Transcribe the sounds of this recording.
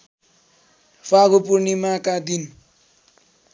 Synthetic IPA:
faɡopurnimakad̪in

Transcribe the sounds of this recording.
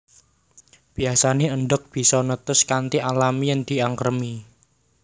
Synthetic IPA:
b̥i̤asaneəɳɖʊk̚b̥i̤sɔnət̪ʊskant̪iʔalamijaŋd̪̥i̤aŋkərmi

